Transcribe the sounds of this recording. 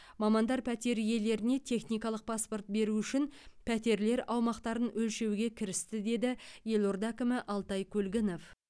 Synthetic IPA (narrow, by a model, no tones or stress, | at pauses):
mɑmɑnd̪ɑɾpʰæt̪e̞ɾje̞le̞ɾɪne̞t̪ʲʰe̞χnijkɑlˠəq̚pʰɑspo̞rt̪̚be̞ɾuʏʃɪnpʰæt̪e̞ɾle̞ɾɑwmɑqt̪ɑɾənɵlʃe̞wɡʲe̞kʲʰɪɾɪst̪ɪd̪e̞d̪ɪje̞lˠo̞ɾd̪ækʲɪmɪʔɑlˠt̪ɑjkʲʰɵlɡʲɪno̞f